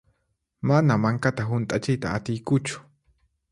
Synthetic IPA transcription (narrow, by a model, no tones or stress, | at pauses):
manamaŋkat̪aɦʊnt̪ʼat͡ʃɪjt̪a̰ːt̪ɪjkʊt͡ʃʊ̥